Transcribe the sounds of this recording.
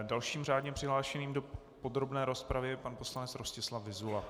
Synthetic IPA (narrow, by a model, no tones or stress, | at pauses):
dalʃiːmr̝aːdɲɛpr̝̥ɪɦlaːʃɛniːmdo̞ | po̞dɾo̞bnɛːɾo̞spɾavɪjɛpanpo̞slanɛt͡sɾoscɛslavɪzula